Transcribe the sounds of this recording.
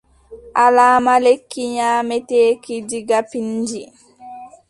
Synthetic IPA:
ʔalaːmalekːiɲaːmɛtɛːkid͡ʒiɡapiɲd͡ʒi

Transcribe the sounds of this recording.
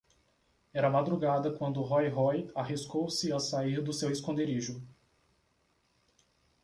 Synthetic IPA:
ɛɾamad̪ɾuɡad̪ɐkwɐ̃nd̪ʊɦɔjɦɔjaɦiskowsɪasaiɾd̪ʊseweskõnd̪eɾiʒʊ

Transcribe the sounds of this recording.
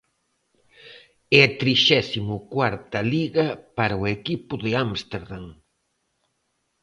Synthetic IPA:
ɛɐt̪ɾiʃɛsimʊkwaɾt̪ɐliɣɐpaɾauekipʊðɪamst̪eɾðaŋ

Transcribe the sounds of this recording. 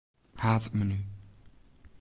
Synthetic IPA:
haːt͡sʼməny

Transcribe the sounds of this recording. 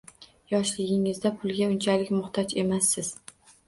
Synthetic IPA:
jɒʃlɪɡʲɪŋɪzd̪apʰʊlˠɡʲaʊnt͡ʃʰalɪkʲmʊχt̪ʰɒt͡ʃe̞masːɪz̥

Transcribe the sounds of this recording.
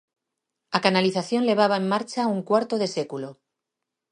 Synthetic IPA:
akanaliθaθjo̞nle̞β̞aβ̞ae̞mːaɾt͡ʃauŋkwaɾt̪oðe̞se̞kulo̞

